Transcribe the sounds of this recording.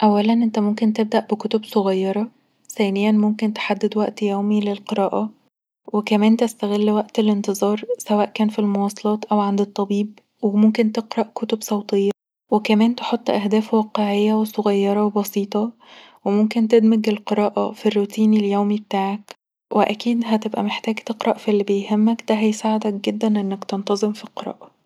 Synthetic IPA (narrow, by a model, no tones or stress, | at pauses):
ʔæwːælænʔent̪æmomkent̪eb̚d̪æʔbekot̪obsoɣɑjːɑɾˤɑ | θæːnejænmomkent̪e̥ħad̪ːed̪wæʔt̪jæwmilelqeɾˤɑːʔɑ | wekæmæːnt̪æst̪æɣelːwæʔt̪elent̪ezˤɑːɾˤsæwæːʔkæːnfilmowɑːsˤɑlɑːt̪ʔæwʕand̪et̪ˤːɑbiːb̚ | wemomkent̪eqɾˤɑʔkot̪obsˤɑwt̪ˤejːɑ | wekæmæːnt̪eħot̪ˤːʔæhd̪æːfwɑːqeʕejːæwesoɣɑjːɑɾˤɑwebɑsiːt̪ˤɑ | wemomkent̪ed̪meɡelqeɾɑːʔɑfirːuːt̪iːniljowmibet̪aːʕæk | weʔækiːd̪ɦæt̪ebʔæ̰meħt̪æːɡt̪eqɾˤɑʔfilːibejɦemːækd̪æɦæjsaːʕed̪æk̚ɡed̪ːænʔenːækt̪ent̪ɑzˤemfilqeɾˤɑ̰ːʔɑ